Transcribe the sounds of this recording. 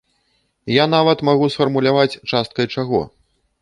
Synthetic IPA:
jan̪avɐt̪maɣusfɐrmulʲavat͡sʲt͡ʂast̪̚kɐjt͡ʂaɣɔ̰

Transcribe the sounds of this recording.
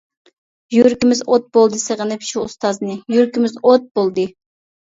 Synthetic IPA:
jyɾkʲimɪzot̪̚bolˠd̪ɨsəʁənɨpʰʃuʊst̪ɑznɨjyɾkʲimɪzot̪̚b̥olˠd̪ɨ

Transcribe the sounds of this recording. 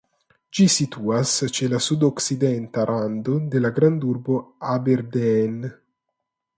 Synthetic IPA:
d͡ʒisit̪uːast͡ʃelasud̪oksid̪ɛnt̪aɾʔand̪od̪elaɡɾand̪urboabeɾd̪ɛɛn

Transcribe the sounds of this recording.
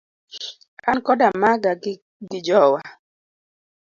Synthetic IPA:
kʰankɔdamaɡa | ɡɪd͡ʒɔwa

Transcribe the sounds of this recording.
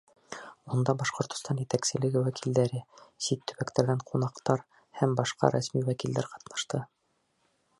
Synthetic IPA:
und̪ɑbɑʃqŏɾt̪ŏ̥st̪ɑnjɘt̪æksɘ̆lɘ̆ɡɘwækʰild̪æɾɘsit̪ːɵ̆βækt̪æɾɡæɴqʰunɑqt̪ɑɾ | hæmbɑʃqɑ̰ɾæsmiwækild̪æɾqɑ̥t̪nɑ̥ʃt̪ɤ

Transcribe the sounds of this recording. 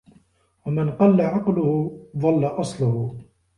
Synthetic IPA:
wamɪnqɑlːaʕɑqlʊhʊðˤɑlːaʔɑsˤlʊhʊ

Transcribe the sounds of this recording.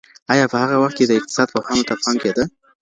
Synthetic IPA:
ɑjɑpəhaɣawaxt̪ked̪əɪq̚t̪ɪ̥sɑd̪̚paxɑnot̪afɑmked̪ə

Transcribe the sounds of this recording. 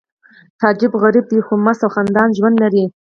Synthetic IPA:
t̪ɑd͡ʒɪbɣaɾib̚d̪ixomasawxand̪ɑnʒwand̪laɾi

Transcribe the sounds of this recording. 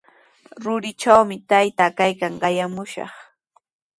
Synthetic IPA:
ɾʊɾɪt͡ʃawmɪt̪ajt̪akajkaŋɢɑjamʊʃɑ̰χ

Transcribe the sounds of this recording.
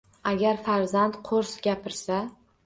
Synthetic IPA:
aɡʲaɾfaɾzant̪qʰoɾsɡʲapʰɪɾsa

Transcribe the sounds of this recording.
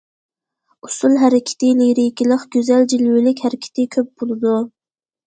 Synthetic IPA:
usulˠɦæɾɪkʲʰɪ̥t̪ʰɪliɾikʲilˠəχɡʲøzæld͡ʒilwilɪkʲhæɾɪkʲʰɪ̥t̪ʰɪkʲʰøp̚bolˠɨd̪u

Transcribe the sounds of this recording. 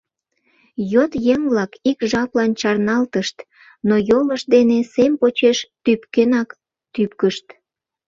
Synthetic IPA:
jot̪jeŋβlɑkikʒɑplɑnt͡ɕɑrnɑlt̪əʃt̪ | nojoləʃd̪enesempot͡ɕeʃt̪ypkenɑk | t̪ypkəʃt̪

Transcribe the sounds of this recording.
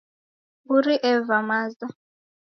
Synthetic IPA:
uɾiʔɛvamazd̪ɔ

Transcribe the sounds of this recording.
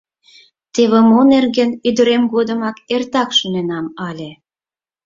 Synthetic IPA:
t̪eβĕmonerɣə̆nyd̪ə̆ɾemɡod̪ə̆mɑkert̪ɑkʃunenɑmɑlʲĕ

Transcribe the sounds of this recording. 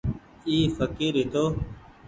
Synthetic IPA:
iːfəkiːɾɦɪt̪oː

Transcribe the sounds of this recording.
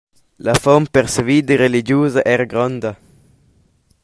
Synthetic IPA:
lafɔmpɛɾsviːd̪əɾelid͡ʒjuːzaʔɛɾɡɾɔnd̪a

